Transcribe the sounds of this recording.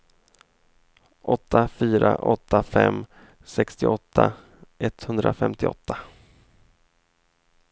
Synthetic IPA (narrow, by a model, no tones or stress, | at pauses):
ʔɔt̪ːafyːɾaʔɔt̪ːafɛmː | sɛkst̪ɪʔɔt̪ʰːa | ʔɛt̪hɵnd̪ɾafɛmt̪ɪɔ̰t̪ʰːa